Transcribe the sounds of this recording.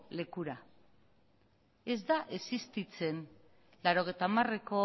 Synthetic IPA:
le̞kuɾa | e̞zd̪aʔesist̪it͡se̞n | laɾo̞ɣ̞ejt̪aːmare̞ko̞

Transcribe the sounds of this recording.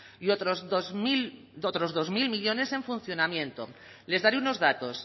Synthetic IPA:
iot̪ɾozðozmil | dot̪ɾozðozmilmiʎo̞ne̞se̞ɱfun̟θjonamjẽ̞nt̪o̰ | le̞zðaɾeuno̞zðat̪os

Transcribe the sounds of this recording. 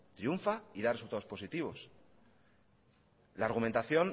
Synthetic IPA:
t̪ɾijuɱfaiðaresult̪aðo̞spo̞sit̪iβ̞o̞s | laːɾɣ̞ument̪aθjo̞n

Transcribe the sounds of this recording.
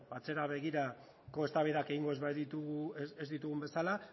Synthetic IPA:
bat͡se̞ɾaβ̞e̞ɣ̞iɾa | ko̞est̪aβeðake̞ɣiŋɡo̞ezit̪uezd̪it̪uɣumbe̞sala

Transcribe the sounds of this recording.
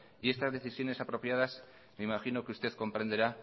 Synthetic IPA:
ie̞st̪azðe̞θisjo̞ne̞sapɾo̞pjaðas | me̞imaxino̞keust̪e̞ðko̞mpɾe̞nd̪e̞ɾa

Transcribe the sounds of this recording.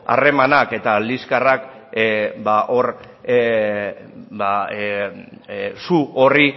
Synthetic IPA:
a̰re̞manake̞t̪aliskarak | baʔo̞ɾ | ba | suori

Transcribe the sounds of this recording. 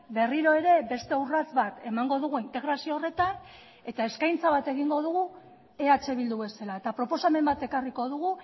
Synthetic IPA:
be̞riɾo̞e̞ɾe̞be̞st̪e̞urazβat̪e̞maŋɡo̞ðuɣuint̪e̞ɣɾasioːre̞t̪an | e̞t̪ae̞skajnt͡saβ̞at̪e̞ɣiŋɡo̞ð̞uɣ̞u | e̞at͡ʃe̞β̞ild̪uβe̞selaet̪apɾo̞po̞same̞mbat̪e̞kariko̞ð̞uɣ̞u

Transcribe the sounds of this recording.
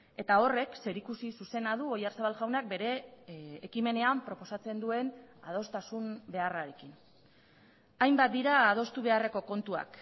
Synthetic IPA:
e̞t̪ao̞re̞kse̞ɾikusisuse̞nað̞uo̞jaɾsaβalʝawnak̚be̞ɾe̞ː | kime̞ne̞ampɾo̞po̞sat͡se̞nd̪ue̞na̰ð̞o̞st̪asumbe̞araɾe̞kin | ajmbat̪̚d̪iɾaːð̞o̞st̪uβ̞e̞are̞ko̞ko̞nt̪ua̰k

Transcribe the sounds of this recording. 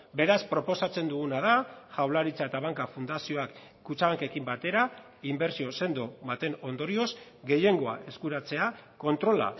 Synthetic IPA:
be̞ɾaspɾo̞po̞sat͡se̞nd̪uɣ̞unaðaʝawlaɾit͡saet̪aβaŋkafund̪asio̞akː | ut͡ʃaβaŋke̞kimbat̪e̞ɾa | imbe̞ɾsio̞se̞nd̪oβat̪e̞no̞nd̪o̞ɾio̞z | ɡe̞je̞ŋɡo̞a̰ʔe̞skuɾat͡se̞ako̞nt̪ɾo̞la̰

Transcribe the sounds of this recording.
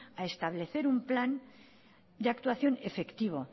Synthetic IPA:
aest̪aβ̞le̞θe̞ɾumplan | d̪eakt̪uaθjo̞nefe̞kt̪iβ̞o̞

